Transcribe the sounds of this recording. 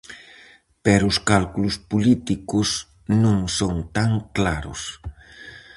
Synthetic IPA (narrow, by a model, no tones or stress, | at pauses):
pɛɾʊʊskalkulʊspulit̪ikʊs | nũŋsont̪aŋklaɾʊ̰s